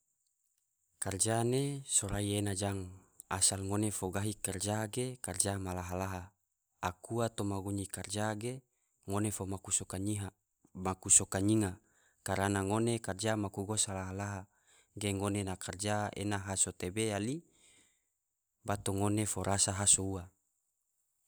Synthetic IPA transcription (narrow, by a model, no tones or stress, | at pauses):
kard͡ʒanesoɾaienad͡ʒaŋ | asalŋonefoɡaɦikard͡ʒaɡekard͡ʒamalaɦalaɦa | akuat̪omaɡuɲikard͡ʒaɡe | ŋonefomakusokaiɦa | makusokaɲiŋa | kaɾanaŋonekard͡ʒamakuɡosalaɦalaɦa | ɡeŋonenakard͡ʒaḛnaɦasot̪ebeali | bat̪oŋonefoɾʔasaɦasoua